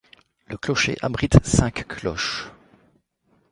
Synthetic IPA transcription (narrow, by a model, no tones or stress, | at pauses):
ləklɔʃḛʔabʁit̪sɛ̃kːʰlɔ̰ʃ